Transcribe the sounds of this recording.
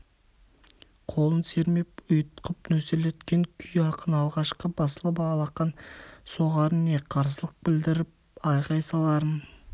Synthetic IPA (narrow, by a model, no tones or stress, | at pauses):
qʰo̞lˠənse̞ɾme̞pʊjt̪qəpnɵselet̪kʲe̞ŋkʲʰʏjɑqənɑlˠʁɑʃqəbɑsəlˠəbɑɑlˠɑqɑnso̞ʁɑɾəneqʰɑɾsəlˠəq̚bɪld̪ɪɾɪp̚ɑjqɑjsɑlˠɑɾən